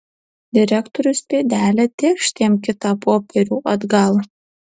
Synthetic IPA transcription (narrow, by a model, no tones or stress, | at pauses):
d̪ʲɪɾʲækt̪oɾʲʊspʲeːd̪ʲæːlʲɛt̪ʲeːkʃʲt̪ʲeːmkʲɪt̪ɑːpoːpʲɛɾʲuːʔɐd̪ɡɑlˠ